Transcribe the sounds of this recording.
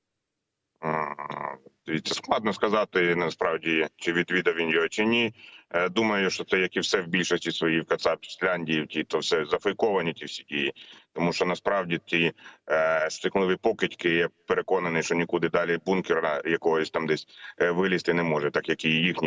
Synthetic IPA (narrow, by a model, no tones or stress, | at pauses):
d̪̥eʋʲit̪ʲsʲɐsklˠɑd̪nɔskɐzɑt̪ɪnɐspɾɑwdʲit͡ʃɪʋʲid̪ʋʲid̪ɐʋʲinjɔɦɔt͡ʃɪnʲid̪umɐjʊʃt͡ʃɔt̪sɛjɐkiwsɛwbʲilʲʃɔsʲtʲisʋɔjiwkɐt̪sɑpʲsʲlʲɑnʲdʲijiwtʲit̪ɔwsɛzɐfɐjkɔʋɐnʲitʲiwsʲidʲijit̪ɔmuʃt͡ʃɔnɐspɾɑwdʲit̪ʲij | st̪ɪklˠɪʋɪjpɔkɪtʲkɪjjɛpeɾekɔnɐnɪjʃt͡ʃɔnʲikud̪ɪd̪ɑlʲibunkʲeɾɐjɐkɔɦɔsʲt̪ɑmd̪ɛsʲʋɪlʲist̪ɪnɛmɔʒɛt̪ɑkjɐkijjixnʲi